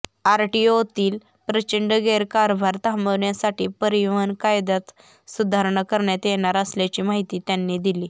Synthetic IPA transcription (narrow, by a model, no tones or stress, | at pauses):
aɾʈiot̪iːl | pɾət͡ɕəɳɖəɡeɾkaɾbʱaɾt̪aɦməʋɳjasaʈiːpəɾijʋənkajd̪at̪ | sud̪ʱaɾɳəkəɾɳjat̪jeɽ̃aɾəsljat͡ɕiːmaɦit̪iːt̪janːid̪iliː